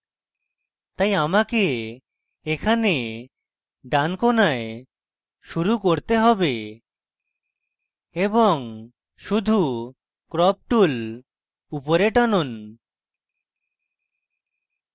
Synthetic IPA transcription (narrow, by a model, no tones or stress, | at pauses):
t̪ajamakeː | kʰane | ɖankonae | ʃuɾukoɾt̪eɦɔbe | ebɔŋ | ʃud̪ʱu | kɾɔp̚ʈul | upoɾeʈanon